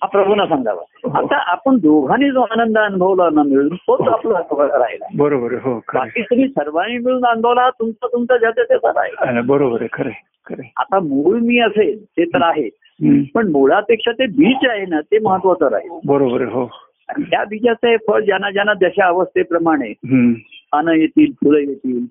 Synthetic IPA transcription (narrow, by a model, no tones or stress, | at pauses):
ɦapɾəbʱunasãŋɡ̪ʱa̰ʋa̰ɦa̰t̪aʔapəɳd̪oɡʱaniːd͡zoanənd̪əənubʱəʋlanːamiɭuːnt̪ot̪aplaaɾa̰ɦela̰bəɾobəɾəɦokʰəbakiːt̪um̤iːsəɾʋañimiɭuːnanbʱoʋlaɦat̪umt͡sat̪umt͡sad͡ʑat̪jat̪jasa̰ɾa̰ɦebəɾobəɾekʰəɾe | kʰəɾea̰t̪amuɭmiːəselt̪et̪əɾaɦe | ɦpəɳmoɭ̤apekʂat̪ebiːt͡saɦenat̪eməɦət̪ːʋat͡səɾa̰ɦelabəɾobəɾəɦo | a̰nt̪jabit͡sat͡səɦefʰəɭd͡ʑjanːad͡ʑjanːad͡z̪aɕaəʋəst̪epɾəmaɽ̃eɦanəjet̪iːlp̪ʰuləjet̪iːl